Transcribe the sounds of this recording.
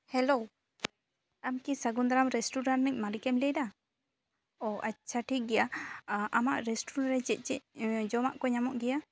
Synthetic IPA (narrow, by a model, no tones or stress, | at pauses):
hɛlo | amkisaɡund̪aɾamɾɛsʈuɾannɛc̚malikɛmlɛda | ɔʔat͡ʃʰaʈiɡɛjaʔamaʔɾɛsʈuɾanɾɛt͡ʃɛc̚ˀt͡ʃɛc̚d͡ʒɔmaʔkɔɲamɔʔɡɛja